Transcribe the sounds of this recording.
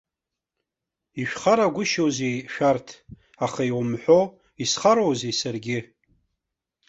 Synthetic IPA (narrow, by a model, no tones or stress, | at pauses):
iʃᶣχaɾaɡʷʊʃowzejʃᶣartʰ | aχaiwmħʷo | isχaɾowzejsarɡʲɪ